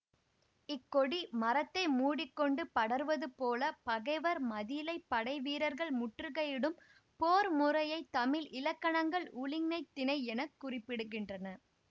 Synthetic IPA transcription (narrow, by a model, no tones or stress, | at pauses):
ɪkːɔɽimɐɾɐt̪ːɐɪmuːɽɪkːɔɳɖɯpɐɽɐɾɯʋɐðɯpoːlɐpɐɣɐɪʋɐɾmɐðilɐɪpːɐɽɐɪʋiːɾɐɾɣɐɭmʊʈrɯɣɐjɪɽɯm | poːɾmʊrɐjɐɪt̪ːɐmɪlɪlɐkːɐɳɐŋɡɐɭʊlɪŋnɐɪt̪ːɪnɐɪɛnɐkːʊrɪpːɪɽɯɣɪndrɐnɐ